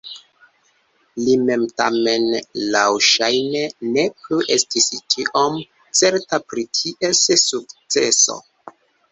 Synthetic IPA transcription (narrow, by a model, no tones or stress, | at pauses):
lime̞mtame̞nlawʃajne̞ne̞pluʔe̞stist͡ʃiʔom | t͡se̞ɾtapɾitʰiʔesesuk̚t͡se̞so̰